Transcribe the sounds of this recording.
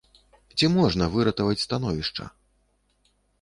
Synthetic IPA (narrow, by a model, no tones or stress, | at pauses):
t͡sʲimɔʐnɐvɨɾɐt̪ɐvɐt͡sʲst̪an̪ɔvʲiʂt͡ʂɐ̰